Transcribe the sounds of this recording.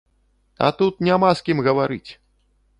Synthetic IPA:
a̰t̪ut̪̚nʲamaskʲimɣɐvaɾɨt͡sʲ

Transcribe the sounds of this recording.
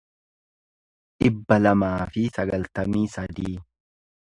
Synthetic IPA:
ᶑɪbːɐlɐmaːfɪsɐɡɐlt̪ɐmiːsɐd̪iː

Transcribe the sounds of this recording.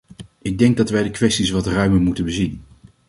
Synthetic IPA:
ɪɡ̚dɛŋɡ̚dɑtʋɛjdəkʋɛstisʋɑtrœɥməɹmutənbəzin

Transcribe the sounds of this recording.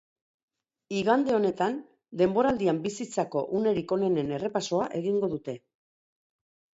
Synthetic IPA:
iɣand̪e̞o̞ne̞t̪an | d̪e̞mbo̞ɾald̪iambisit͡sako̞ʔune̞ɾiko̞ne̞ne̞ne̞re̞paso̞aʔe̞ɣiŋɡo̞ðut̪e̞

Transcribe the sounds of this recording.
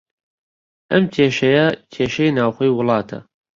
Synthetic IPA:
ʔɐmkʰeːʃɐjɐkʰeːʃɐjnaːwxoːjwʊlˠɑːt̪ʰɐ̰

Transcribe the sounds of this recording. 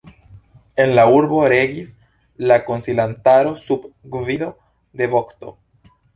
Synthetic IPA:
enlauɾβoɾeɣis | lakonsilant̪aɾosupɡviðo | d̪eβokt̪o̰

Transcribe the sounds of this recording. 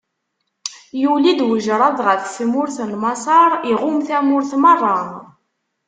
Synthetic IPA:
julid̪wəʒɾˤɑðˤʁəfsmʊɾθlmɑsˤɑɾˤiʁʊmθæmʊɾθmərˤːɑn

